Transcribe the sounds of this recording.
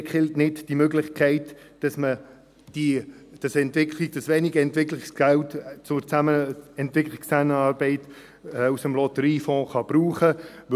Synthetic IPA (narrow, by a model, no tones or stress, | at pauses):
kχɪltnɪdd̥imøɡlɪχkʰɛɪt | d̥ɑsmə | d̥id̥ɑsɛntʋɪkʰliɡ̚d̥ɑsʋɛniɡəɛntʋɪklɪksɡ̥æltt͡sʊɾt͡sæməɛntʋɪkχlikst͡sænəɑːɾbɛɪtː | usəmlɔtəɾiːfɔ̃ːχɑb̥ɾuːχə